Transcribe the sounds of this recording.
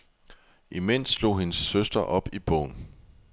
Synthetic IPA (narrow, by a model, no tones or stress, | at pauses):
ʔimen̰slo̝̰ːhe̝nəsːøsd̥ɐʔɒ̽b̥ib̥ɔ̰ʊ̰n